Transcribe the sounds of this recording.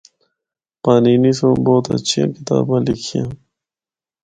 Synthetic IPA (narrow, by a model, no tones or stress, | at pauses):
paːniːnisõboːt̪a̰t͡ɕʰĩkit̪a̰ːbãːlikʰijã